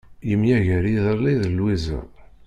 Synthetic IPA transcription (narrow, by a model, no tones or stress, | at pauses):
jəmjæʝæɾiðəɾˤliðəlwizə̰ʁ